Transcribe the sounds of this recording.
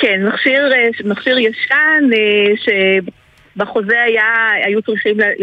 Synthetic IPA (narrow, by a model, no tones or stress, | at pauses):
kenmaχʃiʁemaχʃiʁjaʃaneʃe | baχozeajaajut͡sʁiχiml